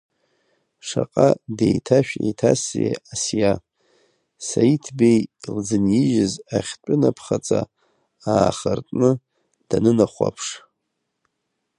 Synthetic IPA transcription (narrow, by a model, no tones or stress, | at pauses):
ʂaqʼadejtʰaʃᶣḛjtʰaseasja | sajitʰbejld͡zɨnjɪʒɪzaχʲtʷʼʊnapʰχat͡sʼa | aːχartʼnɨ | d̥anɨnaχʷa̰pʰʂ